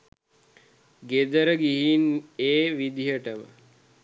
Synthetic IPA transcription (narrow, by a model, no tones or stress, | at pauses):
ɡed̪əɾəɡiɦineːʋid̪iɦəʈəmə̰